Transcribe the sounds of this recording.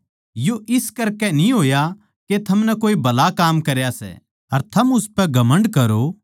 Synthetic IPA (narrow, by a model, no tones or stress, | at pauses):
joʔɪskɐɾkɛnĩɦoːja | ket̪ʰɐmnɛkoːibɐlakaːmkɐɾjasɛ̰ | ɐɾt̪ʰɐmʊspɛɡɐmə̃ɳɖkɐɾo